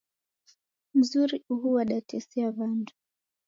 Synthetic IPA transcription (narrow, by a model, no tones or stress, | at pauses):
m̩zuɾiuɦuwaɗatɛsiaβandu